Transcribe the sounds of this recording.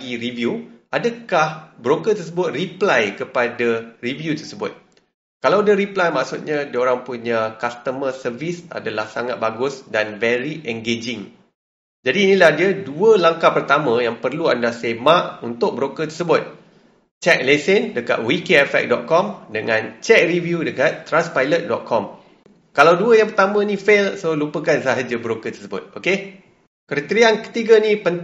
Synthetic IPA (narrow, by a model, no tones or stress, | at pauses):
ɡiɾivjuʔadakahbɾokət̪ərs̬əbʊt̪̚riplajkəpadarivjut̪ərsəbʊt̪̚ | kalawdiaɾiplajmaʔksut̪̚ɲãdioɾaŋpuɲãkast̪əmərsərvisa̰dalahsaŋat̪̚baɡʊsdanvɛɾiʔɛŋɡed͡ʒɪŋ | d͡ʒadiːnĩlahdiaduəlaŋkapərt̪amə̃jaŋpərluandasemaʔunt̪ʊk̚bəɾokət̪ərsəbʊt̪̚ | t͡ʃɛk̚lesəndəka̰t̪̚wikeɛfɛ̰k̚dɔ̰t̪̚kɔmdəŋãnt͡ʃɛk̚rivjudəkat̪ːɾanspajlət̪̚dɔt̪̚kʰɔm | kalawduəjaŋpərt̪amə̃nĩfelsolupəkansaɦad͡ʒəbəɾokət̪əsəbʊ̰t̪̚oke | kəɾət̪ɾiankə̥t̪iɡənĩpən